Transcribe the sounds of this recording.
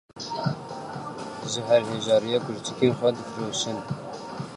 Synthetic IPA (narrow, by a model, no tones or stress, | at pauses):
ʒɨɦɛɾɦeːʒɑːɾijɑːkʰʊɾt̪ʰɨ̥kenxʷɛd̪ɨfɾoːʃɨn